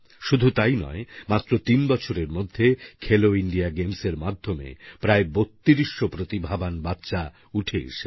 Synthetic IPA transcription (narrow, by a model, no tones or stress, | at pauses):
ʃud̪ʱut̪ajnɔ̰emat̪ːɾot̪inbɔt͡ɕʰoɾeɾmod̪ʱːekʰeloiɳɖiaɡemseɾmad̪ʱːomḛpɾaebot̪ːiɾiʃːopɾot̪ibʱabanbat̪ːʃa | uʈʰeḛʃe